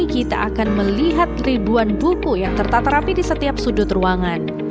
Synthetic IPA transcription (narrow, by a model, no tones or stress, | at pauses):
ikit̪a̰ʔakanməliɦat̪̚ribuanbukujaŋt̪ərt̪at̪ɾapidisət̪iap̚sudʊt̪ruaŋan